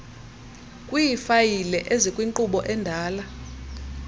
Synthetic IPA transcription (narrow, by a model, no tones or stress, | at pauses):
kʼwijifajilɛʔezikʼwiŋǃuɓɔʔɛndʱaːla